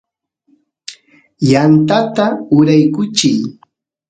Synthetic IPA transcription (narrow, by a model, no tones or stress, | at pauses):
jant̪at̪aʊɾajkʊt͡ʃɪj